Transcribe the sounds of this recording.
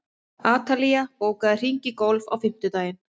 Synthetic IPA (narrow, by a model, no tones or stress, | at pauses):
aːt̪alijapoːwkaðɪr̥iɲcɪkowlva̰wfɪm̥t̪ʏt̪aːjɪn